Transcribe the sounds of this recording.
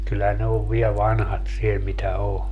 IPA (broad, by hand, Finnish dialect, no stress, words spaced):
kylːæ ne oʋ ʋiɛ ʋɑnhɑt siel mitæ o